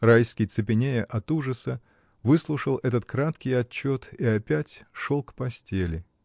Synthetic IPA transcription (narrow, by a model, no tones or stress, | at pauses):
rajskʲɪjt̪sɨpʲɪnʲejəʔɐt̪uʐəsə | vɨslˠʊʂəlˠɛt̪̬ət̪kɾat̪kʲɪjɐt͡ɕːo̞t̪iɐpʲætʲʂolˠkpɐsʲtʲelʲɪ